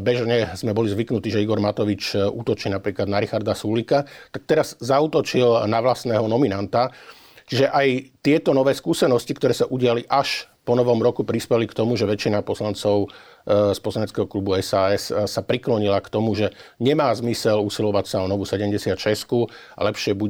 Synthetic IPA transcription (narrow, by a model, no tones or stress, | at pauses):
bɛʒɲɛzmɛbɔlizʋiknut̪iːʒɛiɡɔɾmat̪ɔʋit͡ʃṵːt̪ɔt͡ʃiːnapɾiːklad̪naɾixaɾd̪asulikat̪ak̚t̪ɛɾaz̥ːauːt̪ɔt͡ʃilnaʋlasnɛːɦɔnɔminant̪a | t͡ʃiʒɛʔajt̪ɪɛt̪ɔnɔʋɛːskuːsɛnɔscikt̪ɔɾɛːsaʔuɟɪaliʔaʃ | pɔnɔʋɔmɾɔkupɾispɛlikt̪ɔmuʒɛʋɛt͡ʃinapɔslant͡sɔʊ | spɔslaɲɛt͡skɛɦɔklubuɛsaːɛssapɾiklɔɲilakt̪ɔmuʒɛɲɛmaːzmisɛlusilɔʋacsaɔnɔʋusɛɟɛmɟɛsɪat̪t͡ʃɛsku | a̰lɛpʃɪɛbu